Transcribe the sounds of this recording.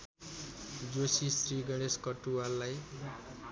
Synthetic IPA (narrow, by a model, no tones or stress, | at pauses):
d͡zosisɾiɡʌɽ̃eskʌʈualːaj